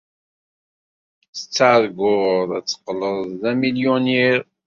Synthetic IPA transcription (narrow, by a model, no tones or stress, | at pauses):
sə̥t͡sːaʕðɡʊðˤæt͡sːə̥qləðːæmiljoniɾ